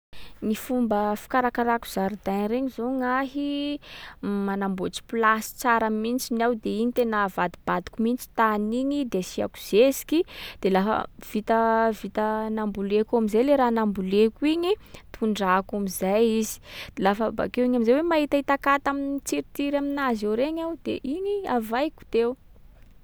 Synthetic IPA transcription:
nifumbəfi̥kaɾakaɾaku̥z̥aɾid̪ajɾeɲizoŋaɦi | manambot͡si̥pulasi̥t͡saɾamint͡ʃinawd̪eiɲit̪enəvad̪ib̥ad̪i̥kumint͡ʃi̥t̪aniɲid̪esia̰ku̥z̥esi̥kid̪̥elafə̰v̥it̪əvit̪ənambulekamizajleɾaːnambulekuiɲit̪ʰuɳɖ͡ʐakamizajizi̥d̪̥elafəba̰kewiɲamizawemaɦit̪ait̪akat̪aminit͡siɾit̪iɾaminazewɾeɲawd̪̥eʔiɲiavajku̥t̪ew

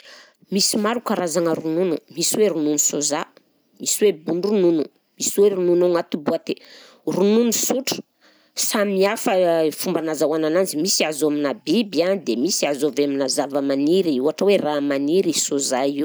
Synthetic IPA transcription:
misimaɾukaɾazaŋəɾununumisiweɾununusoza | misiwebunrununu | misiweɾununuŋat̪ubuat̪e | rununusuʈ͡ʂə̥ | samiafəfumbanazawanananzimisiazoaminabibiad̪emisiazoveaminazavəmaniɾiuaʈ͡ʂəweramaniɾisozaiw

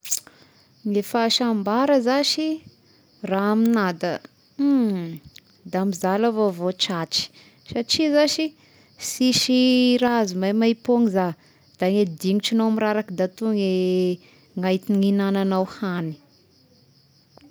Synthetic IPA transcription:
ŋefaʃambaɾəzaʃi | raaminad̪ə | d̪amizalavovoʈ͡ʂaʈ͡ʂi̥ | saʈ͡ʂizaʃi | siʃiɾazumajmaipoŋiza | d̪̥aŋed̪iŋiʈ͡ʂanowamiɾaɾakid̪at̪uŋe | ŋajt̪iŋinananawhani̥

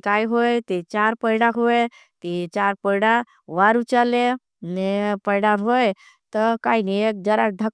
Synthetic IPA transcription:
kaːiɦojt̪it͡ʃaɾpəɪɽaɦoe | t̪it͡ʃaːɾpəjɽa | ʋaɾut͡ʃale | nepəɪɽaɦoj | t̪ɔkaːiniek̚d͡ʒəɾad̪ʱə

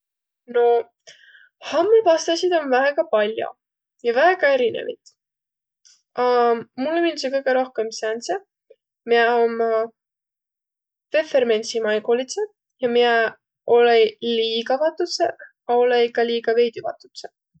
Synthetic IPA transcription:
no̞ | hɑmːuvɑst̪ɑsid̪̥o̞nvæeɡɑpɑlʲjo̰ | jɑvæeɡɑe̞ɾinḛvḭt̪ | ɑmulːeminsekɤjɡ̥eɾo̞hkemsænse | miɛom | vefermensimɑjkolit̪se | jɑmiɛ | o̞leliːɡɑvɑt̪ːut̪se | ɑo̞leikɑliːɡɑve̞jd̪ivɑ̰t̪ːˑut̪se

